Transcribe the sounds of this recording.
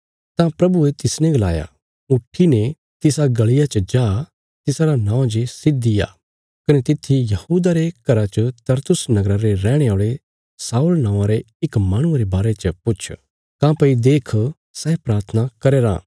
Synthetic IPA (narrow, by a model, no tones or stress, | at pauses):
t̪ãpɾɐbuet̪ɪsnẽɡɐla̰ːja̰ | ʊʈʰːine | t̪ɪsaɡɐɭɪjat͡ʃɐd͡ʒaː | t̪ɪsaɾanãːõd͡ʒesɪd̪ːɪja̰ | kɐnet̪ɪt̪ʰːijɐhuːd̪aɾekɐɾat͡ʃət̪ɐɾt̪ʊsnɐɡɾaɾeɾɛːɽ̃eoːɭe | saːulnãːãɾe | ɪkmaːɽ̃ʊ̃aɾebaːɾet͡ʃəpʊt͡ʃʰ | kãːpɐid̪eːkʰ | sɛːpɾaːɾt̪ʰənakɐɾeːɾã̰ː